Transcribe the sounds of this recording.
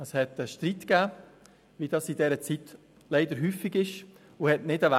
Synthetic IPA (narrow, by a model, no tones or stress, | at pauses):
əshɛtəʃtɾitkæː | ʋid̥ɑsidɛːɾət͡sit | leɪd̪əɾɦyːfiɡɪʃ | ʊhɛtnɪdəʋa